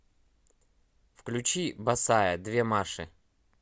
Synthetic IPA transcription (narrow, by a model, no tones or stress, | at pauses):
fklʲʉt͡ɕibɐsajəd̪vʲemaʂɨ